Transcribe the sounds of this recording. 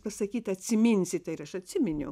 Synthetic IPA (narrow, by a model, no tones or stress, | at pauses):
pɐsɐkʲiːt̪ɐt̪ʲsʲɪmʲinʲsʲɪt̪ʲɐɪɾɐʃɐt̪ʲsʲɪmʲɪnʲʊ